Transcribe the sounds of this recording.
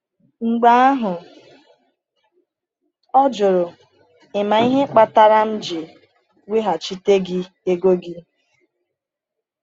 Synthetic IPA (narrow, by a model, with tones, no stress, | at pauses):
ŋ͡m̩˨ɡ͡ba˦a˦ɦʊ˨ | ɔ˦d͡ʒʊ˨ɾʊ˨ | ɪ˨ma˨i˦ɦe˦k͡pa˦ta˦ɾa˦m̩˦d͡ʒɪ˨ | we˦ɦa˨t͡ʃi˦te˦ɡɪ˦ | e˦ɡo˦ɡɪ˦